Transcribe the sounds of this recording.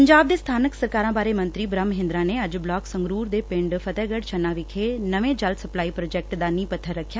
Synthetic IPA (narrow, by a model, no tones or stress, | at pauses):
pəɲd͡ʒaːb̚d̪eːst̪ʰaːnəksəɾkaːɾãːbaːɾeːmə̃nt̪ɾiːbɾaːməɦɪ̃nd̪ɾãːneːəd͡ʒblɔːksə̃ŋɡɾuːɾd̪eːpɪ̃ɳɖfʰət̪ɛːɡəɽt͡ʃʰənːãːʋɪkʰenəʋẽːd͡ʒəlsəplaːiːpɾoːd͡ʒɛːk̚ʈd̪aːnĩːpət̪ʰːəɾːəkʰːjaː